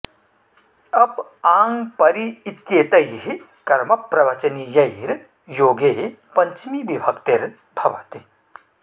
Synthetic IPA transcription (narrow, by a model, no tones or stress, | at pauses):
ɐpaːŋpɐɾiːt̪jeːt̪ɐjɦi | kɐɾmɐpɾɐʋɐt͡ʃɐniːjɐiɾ | joːɡeː | pɐɲt͡ʃmibibʱɐkt̪eɾ | bʱɐʋa̰t̪i